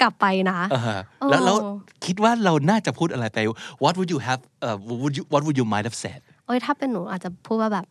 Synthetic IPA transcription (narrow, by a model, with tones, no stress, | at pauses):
kla˨˩pːa˧jna˦˥ʔa˧ɦa˧ʔoː˧lɛː˦˥wlɛː˦˥wkʰi˦˥t̪̚waː˥˩ɾa˧wnaː˥˩t͡ɕa˨˩pʰuː˥˩t̪̚a˧ɾa˧jt̪ɛ˨wɔ˨˦t̪̬̚wu˨t̚juː˧ɦɛ˧vʔəː˧˩u˨t̚ju˧wɔ˦t̚wu˨˩juː˧ma˧jt̚hɛ̥˨˩sɛ̰ː˦˥˩d̚ʔoː˧˥jt̪ʰaː˥˩pe˧nːuː˩˦ʔaː˨˩t̪̚t͡ɕa˨˩pʰuː˥˩t̪̚waː˥˩bɛː˨˩p̚